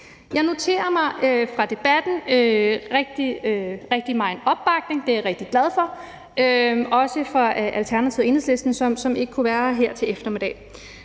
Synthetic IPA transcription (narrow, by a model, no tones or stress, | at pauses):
jɑ̈ɪno̝t͡sʰe̝̰ːɐmɑ̈ɪfʁɑ̈d̥e̝b̥æd̥n̩øʁɛɡ̥̚d̥iʁɛɡ̥̚d̥imɑ̈ɪnɒ̽b̥ːɑ̈ɡ̥̚ne̝ŋd̥e̝aʁɛɡ̥̚d̥iɡ̥læð̞ˠfɒ̽ | ʔøɒ̽səfʁɑ̈ʔælt͡sʰæɐnæt͡sʰiʊ̰e̝ːnhesle̝sd̥n̩sɒ̽msɒ̽me̝ɡ̥əkʰuʋæːɐɦeɐ̰t͡sʰe̝lefd̥ɐmed̥ɛ̰ː